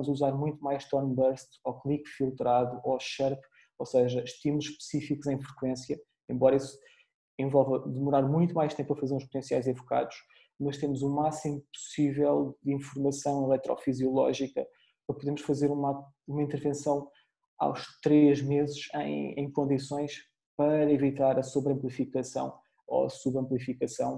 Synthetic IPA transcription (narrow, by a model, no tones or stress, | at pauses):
ɐmuzɐuzaɾmũj̃t̪umajʃt̪ɔnbɐɾst̪ɔklˠikfilˠt̪ɾaðuʔoʃɛɾp | osɛʒɐʃt̪imuʃpɨ̥sifikuzɐ̃j̃fɾɨkwẽsjɐ | ẽmbɔɾɐisu̥ | ẽvɔlˠvɐðɨmuɾaɾmũj̃t̪umajʃt̪ẽmpɾɐfɐzeɾũʃpu̥t̪ẽsiajzɐvuka̰ðuʃ | mɐʃt̪emuzumasimupu̥sivɛlˠd̪ĩfuɾmɐsɐ̃w̃ilˠɛt̪ɾɔ̰fizjulˠɔ̰ʒikɐ | pɾɐpuðemuʃfɐzeɾumɐ | umɐĩnt̪ɨɾvẽsɐ̃w̃ | a̰wʃt̪ɾeʒmezɨʃɐ̰̃j̃ɐ̰̃j̃kõnd̪isõj̃ʃ | pɐɾɐivit̪aɾɐsuβɾɐ̃mplˠifikɐsɐ̰̃w̃ | o̰ɐ̰suβɐ̃mplˠifikɐsɐ̃w̃